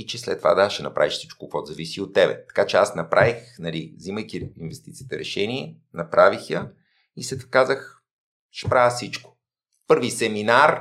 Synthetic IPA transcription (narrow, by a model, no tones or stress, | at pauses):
it͡ʃɛslɛt̪ːova̰d̪aʃɛnɐpɾa̰viʃfsit͡ʃkokvɔt̪zɐvisiot̪ːɛbɛ̰t̪ɐ̥kat͡ʃɛasnɐpɾʔavixnɐlivziməjk̪ʲiinvɛst̪it̪sijːt̪əɾʔɛʃɛniɛ | nɐpɾʔavixjə | isɛt̪kazəx | ʃpɾasit͡ʃkʊ̥ | pɤɾvisɛminaɾ